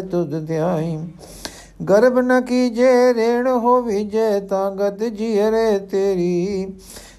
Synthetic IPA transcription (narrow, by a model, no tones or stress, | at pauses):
t̪ʊd̪t̪ɪjãːɦĩː | ɡəɾbnɐkiːd͡ʒeːɾeːɳ̃ɦoːʋiːd͡ʒeːt̪ãːɡət̪d͡ʒiːəɾeːt̪eːɾiː